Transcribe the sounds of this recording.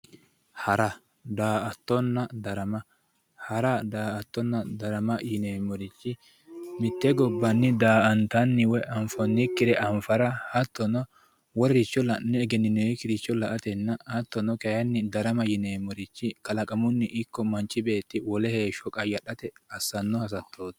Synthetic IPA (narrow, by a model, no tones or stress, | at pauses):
hɐɾɐ | d̪aːʔɐt̪ːɔnːɐd̪ɐɾɐmɐ | hɐɾɐd̪aːɐt̪ːɔnːɐd̪ɐɾɐmɐjɪneːmɔɾɪt͡ʃːɪ | mɪt̪ːɛɡɔbːɐnːɪd̪aːʔɐnt̪ɐnːɪwɛʔɐɱfɔnːɪkːɪd̪ɛʔɐɱfɐɾɐhɐt̪ːɔnɔ | wɔɾɾɪt͡ʃːɔlɐnɛːɡɛnːɪnekɪɾɪt͡ʃːɔlɐʔɐt̪ɛnːɐhɐt̪ːɔnɔkɛjɐnːɪd̪ɐɾɐmɐjɪneːmɔɾɪt͡ʃːɪkɐlɐkʼɐmʊnːɪʔɪkːɔmɐnt͡ʃːɪbe̞ːt̪ːɪwɔlɛheːʃɔkʼɐjɐɗɐt̪ɛɐsːɐnːɔhɐs̬ɐt̪ʰːoːd̪